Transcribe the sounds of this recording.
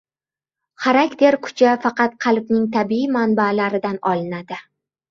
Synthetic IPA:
χaɾakʲt̪ʰe̞ɾkʰʊ̥t͡ʃʰafɑqɑt̪̚qʰɑlˠbnɪŋt̪ʰabiimanbalaɾɪd̪anɒlɪnad̪ɪ

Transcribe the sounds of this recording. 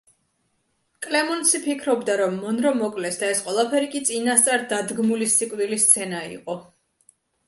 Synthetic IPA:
kʼlɛmɔnsipʰikʰɾɔbd̪aɾɔmːɔnɾɔmɔkʼlɛsd̪aɛsqʼwɛlˠapʰɛɾikʼit̪sʼinast̪sʼaɾd̪ad̪ɡmulisikʼvd̪ilist̪sʰɛnaḭqʼɔ

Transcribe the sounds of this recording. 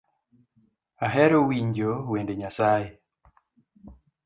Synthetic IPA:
aɦɛɾowiɲd͡ʒowendeɲasaje

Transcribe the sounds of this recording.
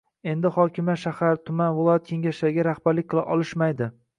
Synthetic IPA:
e̞nd̪ɪhɒkʲʰɪmaʃahaɾt̪ʰʊmanvɪlˠɒjat̪̚kʲʰe̞ŋɡʲaʃaɾɪɡʲaɾahb̥aɾlɪk̚ʲqʰɨlˠɪʔɒlˠɪʃmajd̪ɪ

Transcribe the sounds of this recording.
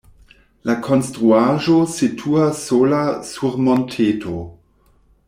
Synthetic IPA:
lakʰonstɾuaʒositʰuasːolasuɾmontʰeːtʰo

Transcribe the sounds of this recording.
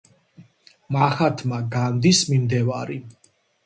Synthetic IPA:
maχat̪ʰmaɡand̪ismimd̪ɛvaɾi

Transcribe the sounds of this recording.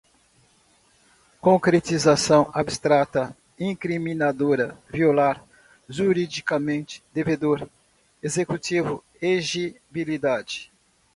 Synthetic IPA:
kõkɾet̪izasɐ̃w̃abst̪ɾat̪ɐ | ĩŋkɾimĩnad̪oɾɐviolaɾ | ʒuɾid͡ʒikamẽnt͡ʃɪ̥d̪eved̪oɾ | ezekut͡ʃivʊ | eʒi | bilid̪ad͡ʒɪ

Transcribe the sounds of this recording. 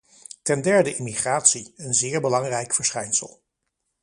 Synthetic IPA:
tɛndɛɹdəʔɪmiχraːtsiənzɪːɹbəlɑŋrɛjkfəɹsχɛjnsə̰lˠ

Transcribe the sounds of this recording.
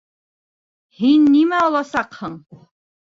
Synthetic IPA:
hinːimæɑlˠɑsɑqhɤɴ

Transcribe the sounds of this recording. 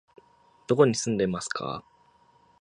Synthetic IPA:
d̪̥o̞ko̞ɲ̟isɨ̃nd̪e̞masɨ̥kʰa̰

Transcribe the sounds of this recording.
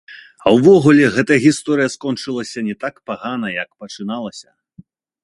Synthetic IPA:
ɐwvɔɣulʲɛɣɛt̪ɐɐɣʲist̪ɔɾɨjɐskɔnt͡ʂɨlˠɐsʲɐnʲɛt̪akpaɣanɐjɐkpɐt͡ʂɨnalˠɐsʲɐ

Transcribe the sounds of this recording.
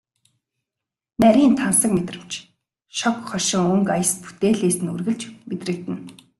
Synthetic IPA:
næɾʲiːnt̪ʰawsə̆kmet̪rɘ̆m̥t͡ɕ | ʃɔkχɔrʃɪ̆ŋɵŋkajə̆spu̥t̪eːɮeːsɘ̆nurɣɘ̆ɮt͡ɕmet̪rɘ̆k̚t̪ɘ̆n

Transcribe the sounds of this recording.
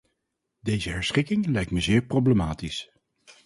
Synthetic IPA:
dejzəɦɛɹsχɪkɪŋlɛjk̚tməzɪːɹprowbləmaːtis

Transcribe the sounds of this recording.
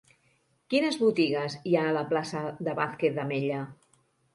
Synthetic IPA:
kinəzβut̪iɣəziaələplasəðəβaθket̪̚d̪əmeʎə

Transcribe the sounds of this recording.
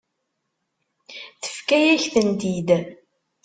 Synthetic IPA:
θə̥fkæjæçθənt̪id̪

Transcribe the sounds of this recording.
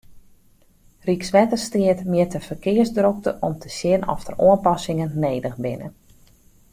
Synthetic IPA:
riksʋɛtərstiətmjɪtəfərkɪərzdrok̚təʔɔmtʰəsjɪnɔ̰xtəroənpɑsɪŋənːeːdəxbɪnə̰

